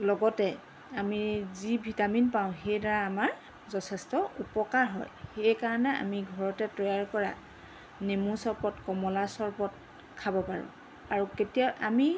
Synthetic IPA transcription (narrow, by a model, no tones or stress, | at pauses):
lɔɡɔtɛ | amizibʱitaminpaʊ̃xejdaɹaːmaɹ | zɔtʰɛstɔupɔkaɹɦɔ̰jxejkaɹɔnɛa̰miɡʱɔɹɔtɛtɹɔjaɹkɔɹa̰ | nemusɔɹpɔtkɔmɔlasɔɹpɔt̚ | kʰabɔpaɹʊ̰̃ | aɹuketijaʔami